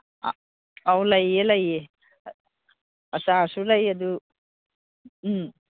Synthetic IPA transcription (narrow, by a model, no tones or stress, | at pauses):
awlajelaje | ɐsasulajɐdu